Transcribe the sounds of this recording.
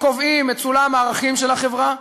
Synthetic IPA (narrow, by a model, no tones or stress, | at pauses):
kovimːet͡sulamaːʁaχimʃelhaχe̞vʁa